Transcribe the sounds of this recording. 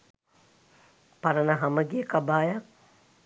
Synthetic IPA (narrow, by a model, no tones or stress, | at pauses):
paɾənəɦɐməɡijəkabaːjak̚